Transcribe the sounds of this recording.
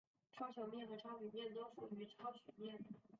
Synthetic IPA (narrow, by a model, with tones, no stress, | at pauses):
ʈ͡ʂʰɑ˥ʊɕjɑ˨˩ʊmjɛ˥˩nxɤ˧˥ʈ͡ʂʰɑ˥ɕy˨˩mjɛ˥˩nt̪o˥ʊfu˥˩y˧˥ʈ͡ʂʰɑ˥ʊɕy˨˩mjɛ˥˩n